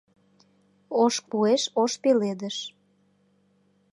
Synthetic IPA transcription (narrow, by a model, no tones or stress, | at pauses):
oʃpueʃoʃpeled̪əʃ